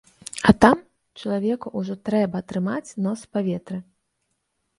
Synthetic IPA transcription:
ɐt̪am | t͡ʂɐlˠavʲɛkuʔuʐɔt̪ɾɛbɐːt̪ɾɨmat͡sʲnɔspavʲɛt̪ɾɨ

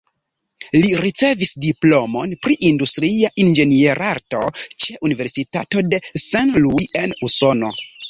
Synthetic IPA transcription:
liɾit͡se̞visdiplo̞mo̞npɾiʔindustɾiaʔind͡ʒe̞nie̞ɾʔaɾto̞t͡ʃe̞ʔunive̞ɾsitato̞de̞sanluje̞nuso̞no̞̰

